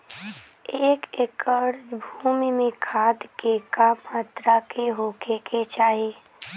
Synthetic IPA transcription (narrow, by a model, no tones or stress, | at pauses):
eːkekəɾd͡ʒbʱuːmimẽkʰaːd̪keːkamaːt̪ɾakeɦoːkʰekʰet͡ʃaːɦeː